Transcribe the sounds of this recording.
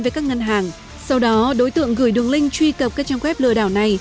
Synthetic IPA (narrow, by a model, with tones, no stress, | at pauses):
vkaː˦˥k̚ŋə˧nɦaː˨˩ŋ | sa˧wɗɔ˨˦ɗo˨˦jt̪ɨ̰˧˨əŋɣɨ˧˩jɗɨ˨˩əŋlï˧ŋ̟t͡ɕwi˧kə˨˩p̚kaː˦˥k̚t͡ɕa˧ŋxwɛ˦˥p̚lɨ̰˧əɗaː˧˩wna˨˩j